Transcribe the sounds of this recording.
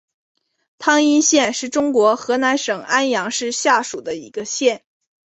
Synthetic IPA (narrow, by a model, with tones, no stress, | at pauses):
t̪ʰɑ˥ŋi˥nɕjɛ˥˧nʂɻ̩˥˩ʈ͡ʂʊ˥ŋkwɔ˧˥xɤ˧˥na˧˥nʂɤ˨˩ŋʔa˥njɑ˧˥ŋʂɻ̩˥˧ɕja˥˩ʂu˨˩d̪ə˦i˧˥ɡə˧ɕjɛ˥˩n